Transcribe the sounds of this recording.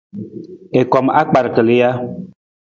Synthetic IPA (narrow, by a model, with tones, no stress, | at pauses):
e˨kɔ˨ma˦k͡pa˨ɾkə˨li˦ja˦